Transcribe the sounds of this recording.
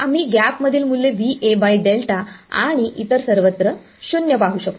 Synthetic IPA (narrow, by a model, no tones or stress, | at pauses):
am̤iːɡæpməd̪ʱiːlmulːeʋiʔebajɖelʈaa̰ɽ̃iʔit̪əɾsəɾʋət̪ɾə | ɕunjəpaɦuːɕək̚t̪o